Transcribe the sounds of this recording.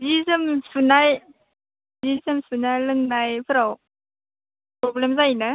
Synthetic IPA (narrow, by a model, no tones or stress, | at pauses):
zizɯmsunaj | zizɯmsunajlɯŋnajpʰɯɾaw | pɾoblemzainɯ